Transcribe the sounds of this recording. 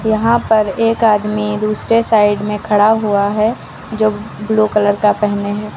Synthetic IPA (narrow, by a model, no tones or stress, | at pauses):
jɐɦãpɐɾeːkaːd̪mid̪uːsɾesaːɪɖmẽkʰɐɽaɦuaɦɛ | d͡ʒoːbluːkələɾkapɛɦneɦɛː